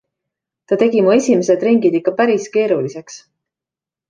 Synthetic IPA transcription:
t̪ɑt̪e̞ɡimue̞sʲimese̞d̪̥ɾiŋɡid̪ikːɑpæɾiske̞ːɾulise̞ks

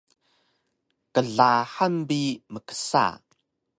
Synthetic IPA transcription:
kəɮaħanbiməkə̥sa̰

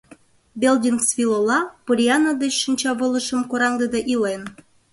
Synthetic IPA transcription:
bʲeld̪ʲinksvʲilˠolɑpuɾʲiɑnad̪et͡ɕʃə̆nʲt͡ɕɑβɤ̆lˠɤ̆ʃɤ̆mkoɾɑŋd̪ɤ̆d̪ɑʔilen

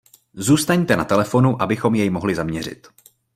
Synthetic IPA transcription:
zuːst̪aɲt̪ɛnat̪ɛlɛfo̞nuʔabɪxo̞mjɛjmo̞ɦlɪzamɲɛr̝ɪ̰t̪

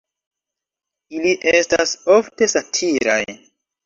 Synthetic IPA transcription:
iliʔestaso̞fte̞satʰiɾa̰j

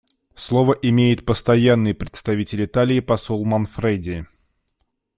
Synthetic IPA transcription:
slˠovəʔɪmʲejɪt̪̚pəst̪ɐjanːɨjpɾʲɪt̪st̪ɐvʲitʲɪlʲɪt̪alʲɪːpɐsolˠmɐnfɾejdʲɪ

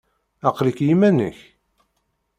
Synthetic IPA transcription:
ɑqlikjimænə̰ç

